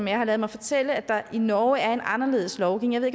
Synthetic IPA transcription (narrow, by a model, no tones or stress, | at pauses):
menjɑ̈hɑ̈lɛːð̞̩ˠmɑɪfɒ̽t͡sʰel̰əæd̥ɑ̈inɒːæɐe̝nɑ̈nɐle̝̰ːðˠslɒʊɡ̥eŋjjʋe̝̰eɡ